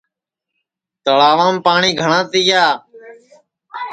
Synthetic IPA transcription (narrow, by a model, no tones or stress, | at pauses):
t̪əɭaːʋãːmpaːɳiːɡʱəɳãːt̪ɪjaː